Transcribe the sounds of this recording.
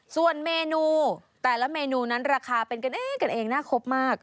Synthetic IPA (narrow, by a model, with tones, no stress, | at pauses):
su˨˩ənmeː˧nuː˧t̪ɛː˨˩lɛ˦˥meː˧nuː˧na˦˥nɾaː˧kʰaː˧pe˧nka˧nʔeː˨˩ŋka˧nʔeː˧ŋnaː˥˩kʰo˦˥p̚maː˥˩k̚